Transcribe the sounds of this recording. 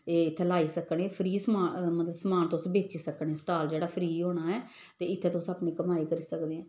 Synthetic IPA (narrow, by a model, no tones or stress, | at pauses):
eːɪt̪ʰːeːlaːiːsəkɳːpʰɾiːsmaːmət̪ləsəmaːnt̪ʊsbeːt͡ʃiːsəkɳɛːsʈaːld͡ʒeːɽaːpʰɾiːɦoːɳaːɛː | t̪eːɪt̪ʰːeːt̪oʊsaːpɳẽːkəmaːiːkəɾiːsəkd̪eːɛ̃ː